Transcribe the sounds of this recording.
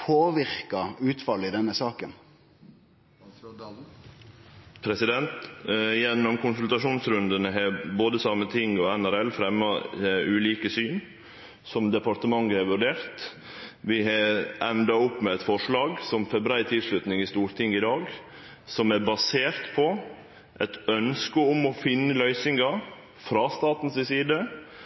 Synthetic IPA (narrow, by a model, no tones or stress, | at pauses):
pʰoːʋɪɾkɑʉːt̪fɑlːɪd̪ɛnːəsɑːkən | pʰɾɛsɪd̪ɛnt̪jɛnːɔmkʊnsʉlt̪ɑʂuːnsɾʉnd̪ənəɦɛboːd̪əsɑmːət̪ʰɪŋɔɛnæɾɛlfɾɛmːɑʉːliːkəsyːn | sɔmd̪ɛpɑɾt̪əmɑŋːəhɛɾʋʉɾɖeːɾt̪ | ʋɪɦɑʔɛnd̪ɾɑʊpːmɛɛt̪fɔʂlɑːɡsɔmfɛbəɾæɪt̪ʰɪlʂlʉt̪nɪŋɪst̪uːɾt̪ʰɪŋːɪd̪ɑːɡ | sɔmæɾbɑseːɾt̪pʰɔ | ʔɛt̪œnskəɔmɔfɪnːəlœʏsɪŋɑ | fɾɑst̪ɑːt̪n̩sɪsiːd̪ə